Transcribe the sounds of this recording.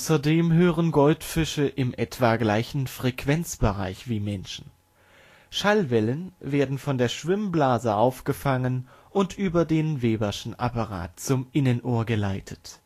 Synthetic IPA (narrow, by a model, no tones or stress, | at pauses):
sɐdeːmɦøːʁənɡɔltfɪʃəʔɪmʔɛtv̥aːɡlaɪçn̩fʁ̥ɛkv̥ɛnt͡sb̥əʁa̰ɪçv̥iːmɛnʃn̩ | ʃalvɛlənveːɐdn̩fɔndeːɐʃv̥ɪmblaːzəʔaʊfɡ̥əfaŋən | ʔʊntʔyːbɐdeːnveːbɐʃn̩ʔa̰paʁa̰ːt̚t͡sʊmʔɪnənʔoːɐɡəlaɪtʰə̥t